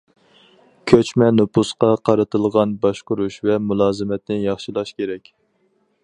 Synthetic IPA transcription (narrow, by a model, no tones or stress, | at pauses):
kʲʰøt͡ʃmɛnupusqɑqʰɑɾɨt̪ʰɨlˠʁɑnbɑʃqʊɾuʃvɛmulˠɑːzɨmɛt̪nɪjɑχʃilˠɑʃkʲʰeɾɛkʲ